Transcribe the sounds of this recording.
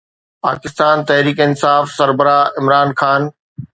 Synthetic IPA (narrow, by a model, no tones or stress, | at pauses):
pa̰ːkɪst̪aːnt̪ɛɦɾiːkɪnsaːfsɐɾbəɾaːɪmɾaːnxaːn